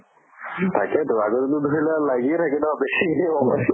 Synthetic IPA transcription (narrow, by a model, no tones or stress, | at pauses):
tʰakɛtʊaɡɔtɛtʊdʱoɹilalaɡiɛt̪ʰakɛdɔbesiiɔmɔ